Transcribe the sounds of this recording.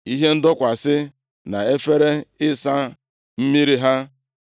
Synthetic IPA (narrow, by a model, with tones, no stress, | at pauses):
i˦ɦe˦n̩˦dɔ˦kʷa˨sɪ˦ | na˨e˦fe˦ɾe˦ɪ˦sa˦ | m̩˦mi˦ɾi˦ɦa˦